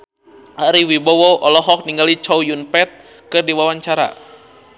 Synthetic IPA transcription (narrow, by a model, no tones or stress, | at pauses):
aɾiwibɔwɔʔɔlɔɦɔk̚niŋɡalit͡ʃɔwjunpɛt̪̚ | kɨrdiwawaɲt͡ʃaɾa̰